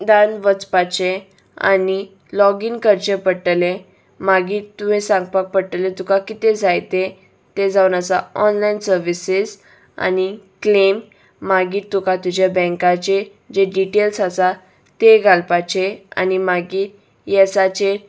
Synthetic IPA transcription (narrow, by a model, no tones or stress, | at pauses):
d̪anʋət͡spat͡ɕe | a̰ni | lɔɡiːnkəɾt͡ɕəpəɽʈle | maɡiːt̪ːumĩsãŋɡpak̚pəɽʈlet̪ukakit̪ed͡zajt̪e | t̪ed͡zawnat͡saɔnlainsəɾʋisiz | a̰niklemː | aɡiːt̪ːukat̪ud͡ʑjabɛ̃ŋkat͡ɕe | d͡ʑeɖiʈelsat͡sa | t̪eɡʱalpat͡ɕea̰nimaɡiːt | jɛsat͡ɕe